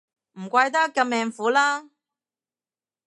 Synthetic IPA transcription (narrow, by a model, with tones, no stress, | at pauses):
m̩˨˩kʷɐ˧jt̪̬ɐ˥kːɐ˧mɛː˨˧ŋfuː˨˥laː˥